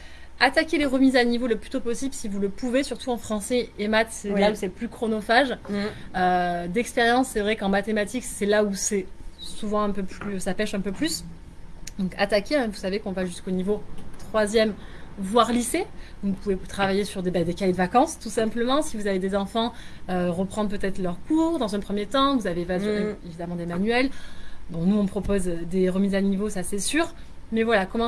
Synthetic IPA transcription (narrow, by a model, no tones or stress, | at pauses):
at̪akʲeleʁəmizanivoləplyt̪opɔsiblsivuləpuvesyʁt̪uɑ̃fχɑ̃sɛemat̪sɛlausɛplykχɔnɔfaʒ | ød̪ɛkspeʁjɑ̃sːɛvʁɛkɑ̃mat̪emat̪iksɛlausɛsuvɑ̃ɛ̃pøplysapɛʃɛ̃pøplys | d̪ɔ̃ka̰t̪akʲeɛ̃vusavekɔ̃vaʒyskonivot̪χwazjɛmvwaʁliseɔ̃upuvet̪χavajesyʁd̪ebɛd̪ekajed̪əvakɑ̃st̪usɛ̃pləmɑ̃sivuzaved̪ezɑ̃fɑ̃øʁəpχɑ̃d̪ʁp̬øt̪ɛt̪χlœʁkuʁd̪ɑ̃zɛ̃pχəmjet̪ɑ̃vuzaveːvazeevid̪amɑ̃d̪emanyɛlb̪ɔ̃nuɔ̃pχɔpozød̪eʁəmizanivosasɛsyːʁ | mɛvwalakɔmɑ̃